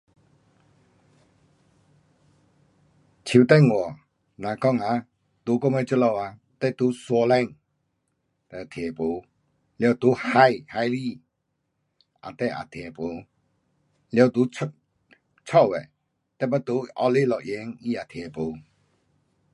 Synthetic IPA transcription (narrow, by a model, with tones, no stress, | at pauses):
t͡ɕʰi˨t̪ɛ˥˨ŋɔ˨ | nã˨kɔ˦˨ŋa˨˦ | t̪u˨˦kɔ˦mɛ˦˨t͡ʃə˦lɔ˧˨wa˧ | t̪ɛ˥˦ʔt̪u˨˦sɔ˧lɛ˦˨ŋ | t̪ɛ˧˨t̪ʰɛ˨po˨ | ljɔ˧wt̪u˨˦ha˦jha˧jli˦˧˨ | ʔa̰˨t̪ɛ˦˨ʔa̰˨t̪ʰɛ˨po˨ | ljɔ˧˨t̪u˨˦ | t͡ʃʰɔ˦˨ʔwɛ˨ | t̪ɛ˦˨pa˦t̪u˨˦ʔɔ̰˧li˦˨lɔ˨ʔje˨˦ŋi˦a˨t̪ʰɛ˨po˨